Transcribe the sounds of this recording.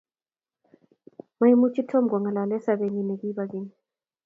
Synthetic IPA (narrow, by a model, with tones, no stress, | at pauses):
ma˦i˦mu˦t͡ʃi˦tʰɔ˦mɡɔ˨ŋa˨la˨lɛ˦sa˨βe˨ɲi˦nɛ˨ki˦βa˨ki˦ɲi˨